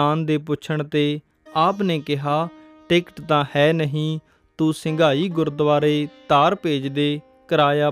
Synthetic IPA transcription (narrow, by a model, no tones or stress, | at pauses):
aːnd̪eːp̬ʊt͡ʃʰəɳt̪eː | aːpneːkɪɦaː | ʈeːkʈt̪ãːhɛːnəɦĩː | t̪ũːsɪŋɡʱaːiːɡʊɾd̪əʋaːɾeːt̪aːɾpeːd͡ʒd̪eː | kəɾaːjaː